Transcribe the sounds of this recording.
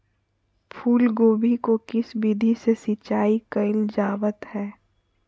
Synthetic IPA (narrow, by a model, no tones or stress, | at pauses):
pʰuːlɡoːbikokɪsbid̪ʱisesɪt͡ʃaːikɐɪld͡ʒaːʋət̪hɛː